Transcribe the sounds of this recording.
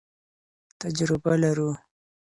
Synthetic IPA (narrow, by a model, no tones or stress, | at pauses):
t̪ad͡ʒɾɪbalaɾu